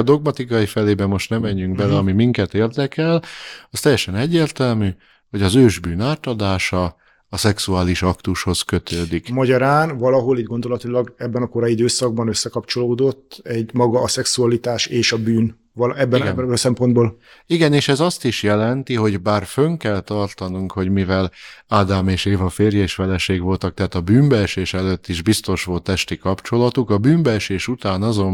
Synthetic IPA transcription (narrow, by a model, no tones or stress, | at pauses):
ɒd̪o̞ɡmɒt̪ikɒjifɛleːbɛmo̞ʃt̪nɛmɛɲːyŋɡ̚bɛlɛɒmimiŋkɛt̪eːrd̪ɛkɛlɒst̪ɛjːɛʃɛnɛɟːeːrt̪ɛlmyː | ho̞ɟɒzøːʒbyːnaːt̪ɒd̪aːʃɒː | sɛksuaːliʃɒkt̪uʃho̞skøt̪ʰøːd̪ikmɒɟɒɾaːnvɒlɒɦo̞liːɟɡo̞nd̪o̞lɒt̪ilɒɡɛbːɛnɒkoɾɒjid̪øːsɒɡ̚bɒnøsːɛkɒpt͡ʃo̞loːd̪o̞t̪ːɛɟmɒɡɒːsɛksuɒlit̪aːʃeːʃɒbyːn | lɛbːɛɛbsɛmpo̞nd̪boːl | iɡɛneːʃɛzɒst̪iʃjɛlɛnt̪iɦo̞ɟbaːrføŋkɛlt̪ɒrt̪ɒnuŋkho̞ɟmivɛlaːd̪aːmeːʃeːvɒfeːrjɒeːʃfɛlɛʃeːɡʋo̞lt̪ɒk̚t̪ɛɦaːt̪ɒbyːmbɛʃeːʃɛløt̪ːiʒbist̪o̞ʃʋo̞lt̪ɛʃt̪ikɒpt͡ʃo̞lɒt̪ukɒbyːmbɛʃeːʃut̪aːnɒzo̞m